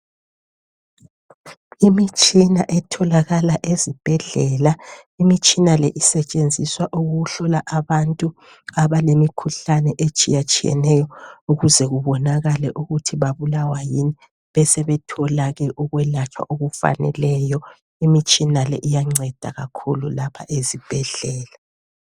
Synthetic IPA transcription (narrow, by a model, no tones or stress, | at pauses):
imit͡ʃʼina̰ʔɛtʰɔlaɣalaʔezib̥ʱɛɮɛlaimit͡ʃʼinalɛ̰ʔisɛt͡ʃʼend͡zʱiswaʔuɣuɣuɬɔlaʔaβantʼu | aβalemikʰuɬanɛʔet͡ʃʼḭjat͡ʃʼijɛ̰nɛjɔuɣuzɛɣuβɔnaɣalɛʔuɣutʰiβaβulawajini | βɛsɛβɛtʰɔlaɣɛʔuɣwɛlat͡ʃʰa̰ʔoɣufa̰nɛ̰lɛjɔ | imit͡ʃʼinalɛ̰ʔijaŋ͡ǀɛd̥ʱa̰ɣa̰kʰululapʰa̰ʔezib̥ʱɛɮɛːla